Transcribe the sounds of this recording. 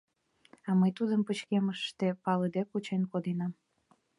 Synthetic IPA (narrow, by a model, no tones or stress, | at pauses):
ɑməjt̪ud̪əmpət͡ɕkeməʃt̪epɑləd̪ekut͡ɕenkod̪enɑm